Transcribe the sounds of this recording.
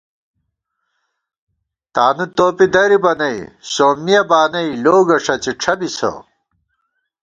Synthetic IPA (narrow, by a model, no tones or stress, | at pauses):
t̪aːnut̪oːpid̪ɐɾibɐnɐisoːmːijɐbaːnɐiloːɡɐʂɐt͡ɕiʈ͡ʂʰɐbisɐ̰